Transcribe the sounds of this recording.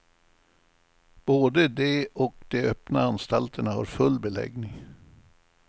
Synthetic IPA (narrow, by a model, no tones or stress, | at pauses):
b̥oːd̪əd̪ɛɔk̚d̪ɛœpnaanst̪alt̪ʰəɳaha̰ɾfɵlːbɛlɛ̰ɡnɪŋ